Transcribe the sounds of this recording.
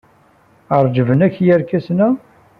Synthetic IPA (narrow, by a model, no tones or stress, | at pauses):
əɾˤd͡ʒəvənæçjəɾkæsnæ